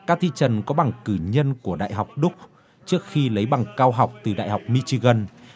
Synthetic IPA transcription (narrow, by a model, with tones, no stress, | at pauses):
kaː˦˥k̚t̪ʰḭ˧˨t͡ɕə˨˩nkɔ˨˦ɓa˨˩ŋkɨ˧˩ɲə˧nku˧˩əɗa̰ː˧˨jɦa˨˩wk͡p̚ɗʊ˦˥k͡p̚ | t͡ɕɨ˦˥ək̚xi˧lə˨˦jɓa˨˩ŋkaː˧wɦa˨˩wk͡p̚t̪ɨ˨˩ɗa̰ː˧˨jɦa˨˩wk͡p̚mi˧t͡ɕi˧ɣə˧n